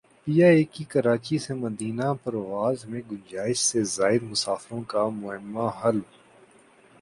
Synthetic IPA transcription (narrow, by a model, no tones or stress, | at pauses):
piːjaːeːkikɐɾaːt͡ʃisemɐd̪iːnapɐɾʋaːzmẽɡʊ̃ɲd͡ʒaːɪʃsezaːɪɾmʊsaːfɾõkamʊɦɪmːaɦɐl